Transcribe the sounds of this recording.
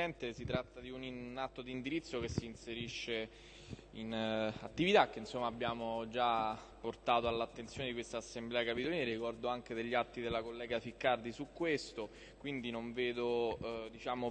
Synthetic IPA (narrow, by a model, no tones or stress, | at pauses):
ɛnt̪esit̪ɾat̪ːad̪iuniat̪ːod̪ind̪iɾit̪sːokesːiːnseɾiʃːe | ina̰t̪ːivit̪ak̟ːeinsomːaːbːjaːmod͡ʒa | pːort̪aːt̪oalːat̪ːent̪sjoːned̪ikwest̪aːsːemblɛːakapit̪oliːneɾikɔrd̪oaŋk̟ed̪eʎːat̪ːid̪elːakolːɛːɡafikːard̪isukːwest̪o | kwind̪inoɱveːd̪od̪it͡ʃaːmo